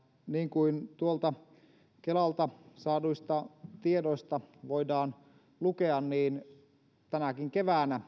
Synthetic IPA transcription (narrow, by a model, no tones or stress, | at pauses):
niːŋkuint̪uolt̪ɑ | kelɑlt̪ɑsɑːduist̪ɑt̪iedoist̪ɑʋoidɑːn | lukeɑnniːn | t̪ænækiŋkeʋæːnæ